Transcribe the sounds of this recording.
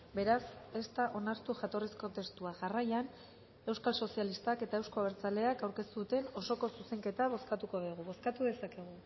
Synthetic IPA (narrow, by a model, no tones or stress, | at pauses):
be̞ɾase̞st̪aʔo̞naɾt̪uʝat̪o̞risko̞t̪e̞st̪uaʝarajan | e̞wskalso̞sialist̪ake̞t̪ae̞wsko̞aβeɾt͡sale̞akawɾke̞st̪uðut̪e̞no̞so̞ko̞suse̞ŋke̞t̪aβo̞skat̪uko̞βiɣ̞uβo̞skat̪uðe̞sake̞ɣ̞u